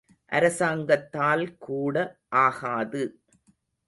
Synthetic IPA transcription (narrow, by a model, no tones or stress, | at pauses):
ʔɐ̰ɾɐsaːŋɡɐt̪ːaːlkuːɽɐʔaːɣaːðɯ